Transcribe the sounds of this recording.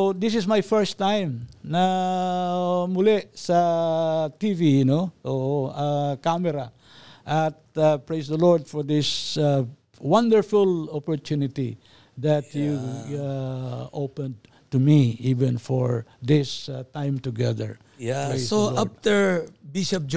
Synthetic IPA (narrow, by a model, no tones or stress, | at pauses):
od̪ɪsɪsmajfɛɹst̪ãjmna | mʊlɛsɐ | t̪ivinoʔoʔakamɛɾa | ʔat̪̚apɹejsd̪ɐlɔɹd̪̚fɔɹd̪ɪs | wãnd̪əɹfʊlɔpɔɹt̪unɪt̪ḭ | d̪at̪ju | opɛ̃nd̪ | t̪umiivɛ̃nfɔɹd̪ɪst̪ãjmt̪ʊɡɛðə̰ɹ | japɹejssolap̚t̪əɹbiʃɔp̚d͡ʒ